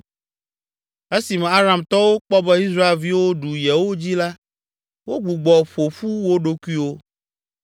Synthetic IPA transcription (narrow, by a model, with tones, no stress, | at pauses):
e˦si˨mɛ̃˨a˦ɾa˨mt̪ɔ˦wo˦k͡pɔ˦bɛ˦i˦sɾa˦e˨lvi˦wo˦ɖu˨jɛ˨wo˦d͡ʑi˦la˦ | wo˦ɡ͡bu˨ɡ͡bɔ˨ɸo˨ɸu˦wo˦ɖo˦ku˦i˦wo˦